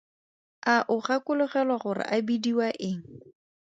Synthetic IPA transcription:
aʔʊχakʊlʊχɛlwaχʊrɪ̰ʔabidiwaʔɪŋ̩

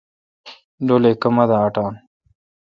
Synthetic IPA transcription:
ɖoːlekəmɐd̪aːʈɑːn

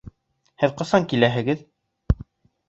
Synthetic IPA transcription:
hɘðqɤ̆sɑŋkilæɦɘ̆ɡɘð

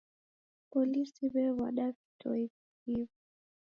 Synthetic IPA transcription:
pɔlisiβɛβa̰ɗavitʰɔ̰ik | hivi

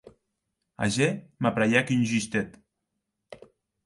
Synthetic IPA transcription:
a̰ʒemapɾajakynʲʒyst̪et̪

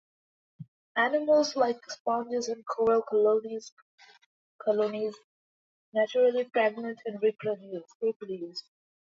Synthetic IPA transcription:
ænɪməlˠzlaɪkspãʊ̃nd͡ʒɪzə̃nkʰɔːɹəlkloniz | kʰɔlõniz | næt͡ʃəɾəlifɾæɡ̚mə̃nʈʰæ̃nɹipʰɾɔdjusiplis

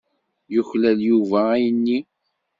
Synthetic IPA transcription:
jʊçlæljuvæːjənːi

